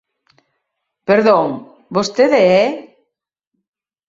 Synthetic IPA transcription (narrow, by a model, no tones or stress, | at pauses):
peɾðoŋ | bost̪eðeɛ